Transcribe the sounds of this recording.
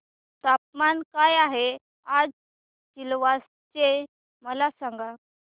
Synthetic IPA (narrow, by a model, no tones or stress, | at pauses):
t̪ap̚mankajaɦe | ad͡z | t͡ɕilʋa | t͡ɕe | məlasãŋɡa